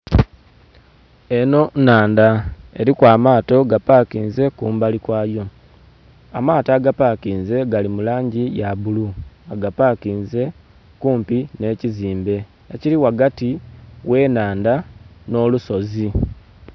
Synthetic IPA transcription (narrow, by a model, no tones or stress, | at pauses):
e̞no̞naːndae̞̰ɾikwaːmaːto̞ɡapakiːnze̞kuːmbalikwaːjo̞ | amaːtaɡapakiːnze̞ɡalimulaːɲɟijaβuluaɡapaːkiːnze̞ | kuːmpine̞ːciziːmbe̞ | eciɾiwaɡatiwe̞ːnaːndano̞luso̞zi